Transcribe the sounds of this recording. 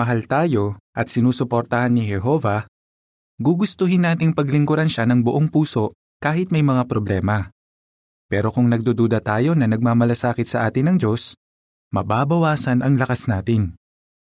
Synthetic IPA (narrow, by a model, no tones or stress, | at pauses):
mɐɦalt̪aːjo̞ʔɐt̪̚sɪnuːsʊpoɾt̪ɐhanːɪɦɛɦo̞ːvɐ | ɡuɡʊst̪oɦɪnːaːt̪ɪŋpɐɡlɪŋkʊɾɐnʃanɐŋbʊʔoŋpuːso̞ | kaːɦɪt̪̚mɐjmɐŋapɾoblɛːmɐ | pɛːɾo̞kʊŋnɐɡ̚d̪uːd̪uːd̪ɐt̪aːjo̞nɐnɐɡ̚maːmɐlɐsaːkɪt̪sɐʔaːt̪ɪnːɐŋd͡ʒo̞s | mɐbaːbɐwaːsɐnʔɐŋlɐkɐsnaːt̪ɪn